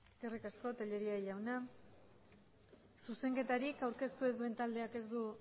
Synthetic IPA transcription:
skerikasko̞t̪eʎe̞ɾiaʝawna | suse̞ŋke̞t̪aɾikawɾke̞st̪ue̞zd̪ue̞nt̪ald̪e̞ake̞zd̪u

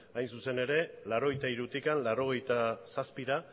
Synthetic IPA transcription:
ajnsuse̞ne̞ɾe̞laɾo̞ɣ̞ejt̪aiɾut̪ikanlaɾo̞ɣ̞e̞jt̪asaspiɾa

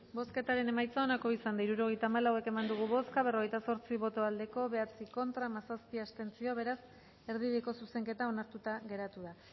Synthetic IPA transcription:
bo̞ske̞t̪aɾe̞ne̞majt͡sao̞nako̞isand̪aiɾuɾo̞ɣ̞ejt̪aːmalawe̞ke̞mand̪uɣ̞uβoskaβe̞ro̞ɣ̞ejt̪aso̞ɾt͡siβo̞t̪o̞ald̪e̞ko̞βe̞at͡siko̞nt̪ɾamasaspiast̪e̞nt͡sio̞βe̞ɾas | e̞ɾð̞iðeko̞suse̞ŋke̞t̪ao̞naɾt̪ut̪aɣe̞ɾat̪uða

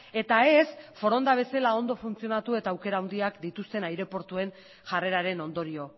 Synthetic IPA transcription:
e̞t̪ae̞sfo̞ɾo̞nd̪aβe̞selao̞nd̪o̞funt͡sio̞nat̪ue̞t̪aːwke̞ɾaːwnd̪iakd̪it̪ust̪e̞najɾe̞po̞ɾt̪ue̞n | ʝare̞ɾaɾe̞no̞nd̪o̞ɾio̞

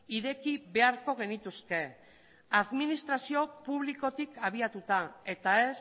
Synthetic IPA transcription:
iðe̞kiβe̞aɾko̞ɣ̞e̞nit̪usk̪e̞ | aðminist̪ɾasio̞puβ̞liko̞t̪ikaβ̞iat̪ut̪ae̞t̪ae̞s

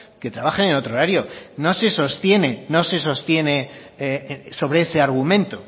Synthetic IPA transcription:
ke̞t̪ɾaβaxeneno̞t̪ɾoɾaɾjo̞no̞se̞so̞st̪je̞ne̞no̞se̞so̞st̪je̞ne̞ | so̞β̞ɾeese̞aɾɣ̞umẽ̞nt̪o

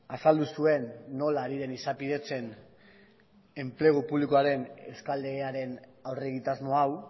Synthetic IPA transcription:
asald̪usue̞nːo̞laɾiðe̞nisapiðe̞t͡se̞n | e̞mple̞ɣ̞upuβlikoaɾe̞ne̞skald̪e̞ɣeaɾe̞nawre̞ɣit̪azmo̞aw

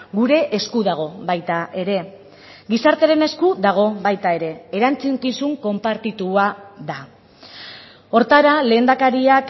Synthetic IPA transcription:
ɡuɾe̞ʔeskuðaɣ̞o̞βajt̪aʔe̞ɾe̞ | ɡisaɾt̪e̞ɾe̞ne̞skuðaɣ̞o̞βajt̪ae̞ɾe̞ːɾant͡siŋkisuŋko̞mpaɾt̪it̪uaða | o̞ɾt̪aɾale̞ːnd̪akaɾiak

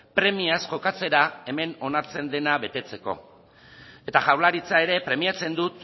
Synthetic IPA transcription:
pɾe̞miasʝo̞kat͡se̞ɾae̞me̞no̞naɾt͡se̞nd̪e̞naβe̞t̪e̞t͡se̞ko̞̰ | e̞t̪aʝawlaɾit͡sae̞ɾe̞pɾe̞miat͡se̞nd̪ut̪

